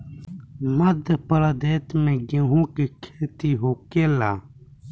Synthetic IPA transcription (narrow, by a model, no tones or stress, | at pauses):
məd̪ʱpəɾaːd̪eːt̪mẽɡeɦõːkikʰeːt̪iɦoːkeːlaː